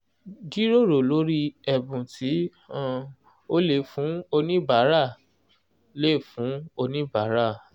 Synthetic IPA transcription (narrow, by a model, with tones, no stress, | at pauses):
d͡ʒi˦ɾo˦˨ɾo˨lo˦ɾi˦ɛ˧bũ˨tʰi˨˦ | ã˦ | o˦le˨fũ˨˦o˧nĩ˦ba˨˦ɾa˦˨ | le˦˨fũ˨˦o˧nĩ˦ba˨˦ɾa˦˨